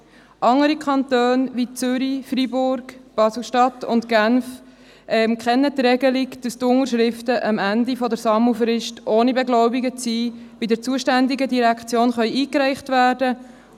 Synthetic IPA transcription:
ʔɑŋəɾikʰɑntøːnvit͡sʏɾifribʊɾɡb̥ɑslʃtɑtʊ̰ntɡ̥ænf | ʔɛmkχɛnːətɾɛɡəlikd̥əstʊŋəɾʃɾɪftəʔəmændifɔdəɾsɑməfɾɪʃtʔoːnibɛɡlɔʊbiɡət͡siː | bidɪɾt͡suəʃtændɪɡədiɾækt͡sjoːnχœʏʔiːkɾæɪχtvæːɾdə

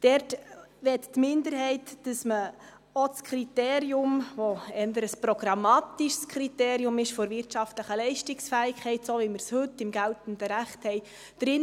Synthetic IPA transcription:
d̥ɛɾtʋɛttmɪndəɾhɛɪtd̥əsmə | ot͡skʰɾiteːɾiʊmʋoɛndəɾəspɾoɡɾɑmɑːtiʃskʰɾiteːɾiʊmɪʃfɔɾvɪrtt͡ʃɑftləχəlɛɪʃtɪksfæːɪkχɛɪtsoʋimərshɵtːɪmɡæltən̩dəɾæχthɛɪj | d̥ɾɪn

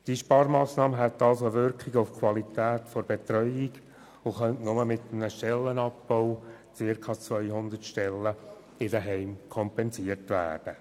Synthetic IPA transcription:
d̥iʃpɑːɾmɑːsnɑːməɦɛt̪ːɑlsoʋʏɾkχɪɡoʊfkʰwɑlit̪æːt̪fɔɾbet̪ɾœʏɪɡ | ʊχœntnʊməmɪt̪əmnəʃtɛlːənɑpb̥ɔʊ | t͡sɪrkʰɑt͡sʋœʏɦʊnd̪ərtʃtɛlːə | ɪdəɦɛɪmkʰɔmpɛnsiərtʋæ̰ːd̥ə

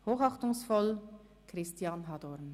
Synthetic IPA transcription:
hoːχɑχtʊŋsfɔl | kʁɪstjaːnɦɑdɔɾn

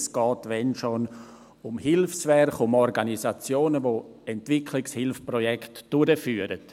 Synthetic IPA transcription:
sɡ̥ɔːtʋɛnʃon | ʊmhɪlfsvɛɾχʊmɔɾɡanisat͡sjoːnəvo | ɛntv̥ɪkʰlɪkshɪlfpɾɔjɛktd̥ʊɾəfyːəɾət

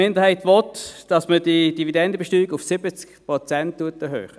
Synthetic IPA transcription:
mɪndəʁhaɪtʋɔtd̥ɑsməd̥id̥ividɛndəbeʃtyːiɡʊfsɪbət͡skpʁɔt͡sɛnttːuəɐtɛɦø̰ːχə

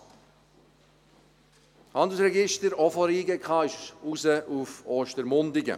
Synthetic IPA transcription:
hɑnd̪l̩srɛɡɪʃtəɾɔfɔɾiːɡɛkχɑːɪʃuzəʔuføːʃtəɾmʊnd̪ɪɡə̰

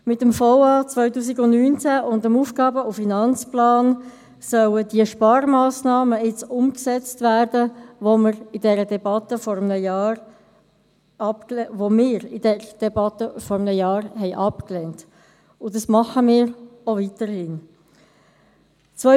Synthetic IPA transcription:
mɪtəmfɔʊɑːt͡svœʏtuːsiɡʊndnyːnt͡sæʔʊndəmuːfɡ̥ɑːbəʊfinɑnt͡splɑːn | sœlədiəʃpɑːɾmɑːsnɑːməɪt͡sʊmksɛt͡stvæɾdəvoməɾɪd̥ɛɾədɛbɑtəfɔɾəmnəjɑːɾ | ɑpvomɪːɾɪd̥ɛɾəd̥ɛbɑtəfɔɾəmnəjɑːɾɦɛɪʔɑpklɛnt | ʊdɑsmɑχəmɪːɾovitəhɪn | t͡sʋœ

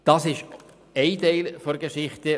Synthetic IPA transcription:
d̥ɑsɪʃ | ɛɪtɛɪlfoɾɡəʃɪχtə

